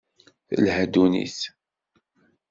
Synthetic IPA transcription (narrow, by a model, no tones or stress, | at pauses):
θəlhæd̪unḭθ